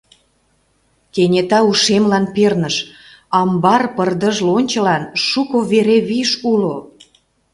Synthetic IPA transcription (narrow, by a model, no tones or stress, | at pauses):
kenʲet̪ɑuʃemlɑnpernəʃ | ɑmbɑrpərd̪əʒlonʲt͡ɕə̆lɑnʃukoβeɾeβiʃulo